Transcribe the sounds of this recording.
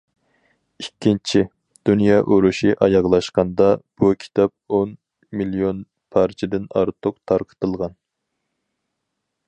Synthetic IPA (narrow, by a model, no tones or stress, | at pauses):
ikʲʰːint͡ʃʰi | d̪̥unjɑʔoɾuʃiʔɑjɑʁlˠɑʃqɑnd̪ɑb̥ukʲʰi̥t̪ʰɑp̚on | milijon | pʰɑɾt͡ʃʰɪd̪ɪnɑ̰ɾt̪ʰʊqt̪ʰɑɾqʰə̥t̪ɨlˠʁɑn